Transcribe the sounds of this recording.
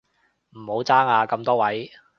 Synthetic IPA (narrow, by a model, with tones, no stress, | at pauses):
m̩˨˩ho˨˧˥wt͡saː˥ŋaː˧kɐ˧mt̪ɔː˥wɐ˨˥j